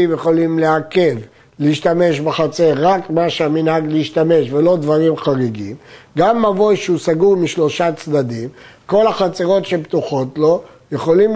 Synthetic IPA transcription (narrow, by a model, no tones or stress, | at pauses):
imjeχo̞limleake̞v | leiʃt̪ame̞ʃbeχat͡se̞ʁːakmaʃeaminhaɡliiʃt̪ame̞ʃvelo̞d̪vaʁimχaʁeɡimɡamːavo̞jʃeusaɡuʁmiʃlo̞ʃat͡sd̪ad̪im | ko̞laχat͡seʁo̞tʃebt̪uχo̞tlo̞ | jeχo̞lim